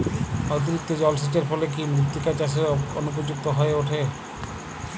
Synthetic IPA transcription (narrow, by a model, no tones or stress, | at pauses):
ot̪̬iɾik̚t̪od͡ʑɔlsit͡ɕeɾfɔlekimut̪ːikat͡ɕaʃ̬eɾonup̬od͡ʑuk̚t̪oɦɔeoʈʰe